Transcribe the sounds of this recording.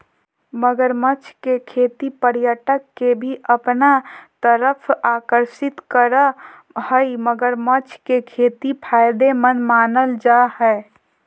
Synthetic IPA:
məɡəɾmət͡ʃʰkekʰet̪ipəɾjəʈəkːebʱiʔəpnat̪əɾəpʰakəɾsit̪kəɾə | həjməɡəɾmət͡ʃʰkekʰet̪ipʰajd̪emənmanəld͡ʒaɦɛ

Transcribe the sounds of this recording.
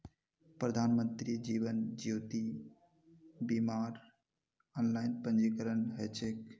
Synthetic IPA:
pɾəd̪ʱaːnmənt̪ɾid͡ʒiːʋənd͡ʒjoːt̪i | bimaːɾ | ɔːnlaːɪnpə̃nd͡ʒikəɾənɦɛːt͡ʃʰek

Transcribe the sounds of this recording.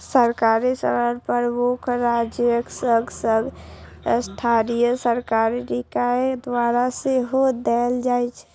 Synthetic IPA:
səɾkaɾisə̰ɾəɾpəɾmukʰɾad͡ʒjəksəɡsəɡ | əsʈʰaɾijəsəɾkaɾiɾikaed̪waɾaseɦod̪ɛld͡ʒajt͡ʃʰɛ̥

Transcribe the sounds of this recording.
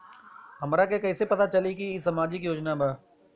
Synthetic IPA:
ɦəmɾaːkeːkəːseːpət̪aːt͡ʃəliːkiːsəmaːd͡ʒiːkjoːd͡ʒnaːbaː

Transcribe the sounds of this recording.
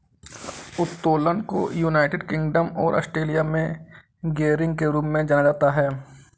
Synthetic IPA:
ʊt̪ːoːlənko̰juːnaːɪʈɪɖkɪ̃ŋɡɖəmɔːɾʔɔ̰ːsʈɾeːlijamẽ | ɡeːɾɪ̃ŋɡ̚keɾuːpmẽd͡ʒaːnad͡ʒaːt̪aɦɛː

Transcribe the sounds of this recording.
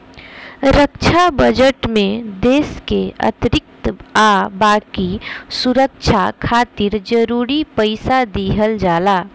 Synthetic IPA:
ɾəkt͡ʃʰabəd͡ʒəʈmẽd̪eːskeə̰t̪ɾɪk̚t̪abaːkisuɾək̚t͡ʃʰakʰaːt̪iɾd͡ʒəɾuːɾipəɪsad̪iɦəld͡ʒaːlaː

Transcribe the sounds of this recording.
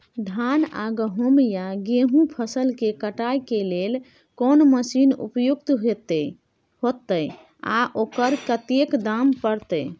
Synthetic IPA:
d̪ʱana̰ɡəɦomjaɡeɦũpʰəsəlkekəʈajkelel | konməsinṵpjuk̚t̪ɦet̪ | hot̪əj | a̰ʔokəɾkət̪ekd̪ampəɾt̪əj

